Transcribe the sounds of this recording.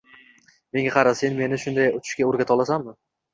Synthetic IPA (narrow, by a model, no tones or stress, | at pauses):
me̞ŋɡʲaqʰɑɾasenme̞nɪʃʊnd̪ajʊt͡ʃ̪ʰɪ̥ʃkʲaoɾɡʲat̪ʰɒlˠasammɪ